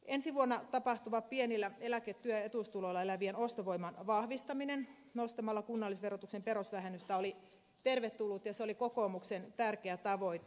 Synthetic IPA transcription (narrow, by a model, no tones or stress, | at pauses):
ensiʋuonːɑt̪ɑpɑht̪uʋɑppienilːæelæket̪ːyøet̪ust̪uloilɑelæʋienost̪oʋoimːɑnʋɑhʋist̪ɑminen | nost̪ɑmɑlːɑkunːɑlːisʋerot̪uksempeɾosʋæhenyst̪æoli | t̪erʋet̪ːulːut̪jɑseolikokomuksent̪ærkeæt̪ɑʋo̞it̪